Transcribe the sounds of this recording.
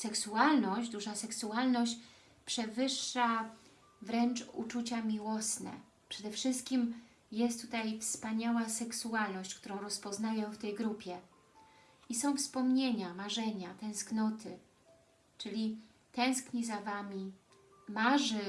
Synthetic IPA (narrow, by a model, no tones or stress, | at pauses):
sɛksualnɔɕd͡ʑd̪uʐasɛksualnɔɕt͡ɕ | pʂɛvɘʂːa | vɾɛnt͡ʂṵt͡ʂut͡ɕamʲiwɔsnɛ̰ | pʂɛd̪ɛfʂɘst̪̚kʲim | jɛst̪ːut̪ajfspaɲawasɛksualnɔɕt͡ɕkt̪uɾɔ̃w̃ɾɔspɔznajɛ̃ft̪ɛjɡɾupʲjɛ | isɔ̃w̃fspɔmɲeɲamaʐɛɲat̪ɛ̃w̃sknɔt̪ʰɘ | t͡ʂɘlʲi | t̪ɛ̃w̃skɲizavamʲi | maʐɘ